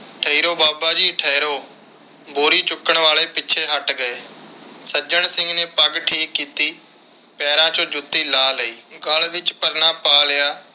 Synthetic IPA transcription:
ʈʰəiːɾoːbaːbaːd͡ʒiːʈʰəiɾoː | boːɾiːt͡ʃʊkːəɳʋaːleːpɪːʃʰeːɦəʈɡəeːsəd͡ʒəɳsɪ̃ŋɡneːpəɡʈʰiːkːiːt̪iː | pɛːɾãːt͡ʃõːd͡ʒʊt̪ːiːlaːləiːɡəlʋɪt͡ʃpəɾnãːpaːlɪjaː

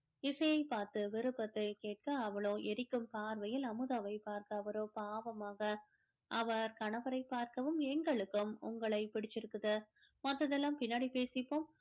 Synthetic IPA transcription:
ɪsɐjɐɪpːaːɾt̪ɯʋɪɾɯpːɐt̪ːɐɪkeːʈ̚kɐːʋɐɭoːʔɛɾɪkːɯmpaːɾʋɐjɪlɐmɯðaʋɐɪpaːɾkɐːʋɐɾoːpaːʋɐmaːɣɐ | ʔɐʋɐɾkɐɳɐʋɐɾɐɪpːaːɾkɐʋɯmɛŋɡɐɭɯkːɯmʊŋɡɐɭɐɪpɪɽɪt͡ʃːɪɾɯkːɯðɐ | mɐt̪ːɐðɛlːaːmpɪnːaːɽipeːsɪpːoːm

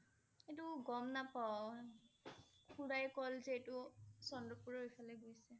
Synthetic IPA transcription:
etʊɡɔmnapaw | kʰuɹajkɔlzeetʊsɔndɔpuɹɔifʰalɛɡojsɛ

